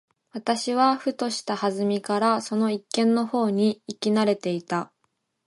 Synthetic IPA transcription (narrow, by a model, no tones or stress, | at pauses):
βat̪aɕiβ̞aɸɯ̟t̪o̞ɕi̥t̪ahazɨmʲikaɾaso̞no̞ikːẽ̞nːo̞ho̞ːɲ̟iːkʲinaɾe̞t̪e̞it̪a